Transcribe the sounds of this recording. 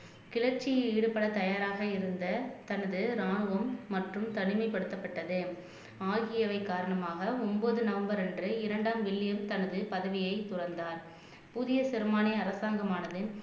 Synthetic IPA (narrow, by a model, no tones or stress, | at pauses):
kɪɭɐɾt͡ʃɪjeːɽɯpːɐɽɐt̪ɐjaːɾaːɣɐɪɾɯnd̪ɐt̪ɐnɐðɯɾaːɳɯʋɐmːɐʈrɯmt̪ɐɳɪmɐɪpɐɽɯt̪ːɐpːɐʈːɐðɯ | aːɣɪjɐʋɐɪkːaːɾɐɳɐmaːɣɐɔmboːðɯnɐʋɐmbɐɾɛndrɯɪɾɐɳɖaːmʋɪɭːɪjɐmt̪ɐnɐðɯpɐðɐʋɪjɐɪt̪ʊrɐnd̪aːɾ | pʊðɪjɐsɪɾɯmaːnɐɐɾɐsaːŋɡɐmaːnɐðɯ